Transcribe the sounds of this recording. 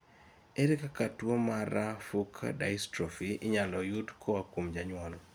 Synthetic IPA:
eɾikakatwomaɾafukʰda̰jstɾofiɪɲalɔjudkʰowakwomd͡ʒaɲwalɔ

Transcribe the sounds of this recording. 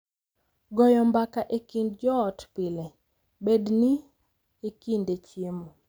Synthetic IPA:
ɡɔjɔmbakaʔekindd͡ʒɔːtpɪle | bedni | ekindet͡ʃemo

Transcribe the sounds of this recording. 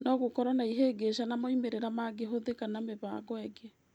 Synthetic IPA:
nɔɣokɔɾanaiɦeːɡeʃanamaimeɾeɾamaɡeɦoðekanameβaɡɔɛɡe

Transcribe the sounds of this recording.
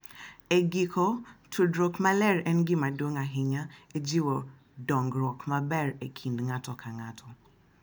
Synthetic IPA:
eɡikʰɔtʰudɾokmalɛɾɛn̩ɡimadoŋaɦɪɲaed͡ʒiwo | dɔŋɡɾɔkmabɛɾekʰin̩dŋatɔkʰaŋatʰɔ

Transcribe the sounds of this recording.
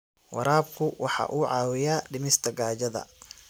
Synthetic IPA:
wʔɑ̰ɾaːb̚kʰʊwɑħɑ̰ːʔuːʕɑːwɪjaːɖɪmɪst̪ʰɐɡaːd͡ʒɐðɐ̰

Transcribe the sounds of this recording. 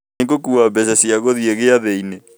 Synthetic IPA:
eɡokuabɛsasiaɣoðieɣeaðeine

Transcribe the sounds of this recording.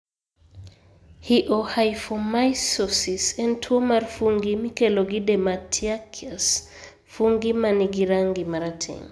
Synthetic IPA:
hiʔohajfɔmajsɔsisɛntʰuomarfuŋɡimikɛloɡidematʰiakʰias | fuŋɡimaniɡiɾaŋɡimaɾatʰɛ̰ŋ

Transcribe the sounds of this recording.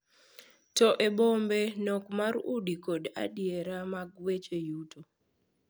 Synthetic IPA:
tɔʔeɓombenɔkmaɾudikoda̰dieɾamaɡwet͡ʃejuto

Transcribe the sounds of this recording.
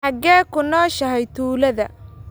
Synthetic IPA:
ɑɡɛːkʰʊnɔːʃɐɦɛjt̪ʰuːlɐðɐ̰

